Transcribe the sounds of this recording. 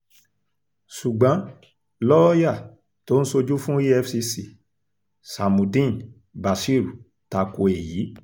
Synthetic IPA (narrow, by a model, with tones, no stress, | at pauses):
ʃu˨ɡ͡bɔ̃˨˦ | lɔ˦ɔ˦ja˦˨ | to˦n̩˦so˧d͡ʒu˦fũ˦i˦ɛ˦fsi˧si˨ | sa˨mũ˨dĩ˦˨n | ba˨ʃi˦˨ɾu˨ | ta˧ko˧e˨jiː˨˦